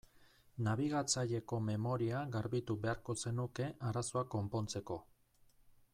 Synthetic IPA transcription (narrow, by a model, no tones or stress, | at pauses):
naβ̞iɣat͡saʎe̞ko̞me̞mo̞ɾiaɣaɾβit̪uβe̞aɾko̞se̞nuke̞ʔaɾaso̞ako̞mpo̞nt͡se̞ko̞